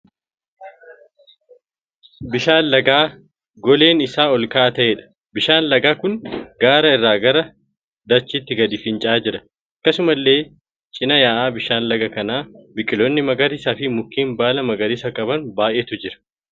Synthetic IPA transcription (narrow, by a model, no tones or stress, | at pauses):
bɪʃaːnlɐɡaː | ɡɔle̞ːnɪsaːɔlkaːʔɐt̪ɐʔeːᶑɐ̥ | bɪʃaːnlɐɡaːkʊŋɡaːɾɐɪrːaːɡɐɾɐ | d̪ɐt͡ʃːɪt̪ːɪɡɐd̪ɪfɪnt͡ʃʼaːd͡ʒɪɾɐ̥ | ɐkːɐsʊmɐlːe̞ː | t͡ʃʼɪnɐjaːʔaːbɪʃaːnlɐɡɐkɐnaːbɪkʼːɪlonːɪmɐɡɐɾɪsɐfɪmʊkːiːmbaːlɐmɐɡɐɾɪsɐkʼɐbɐnbaːʔeːt̪ʊd͡ʒɪɾɐ̥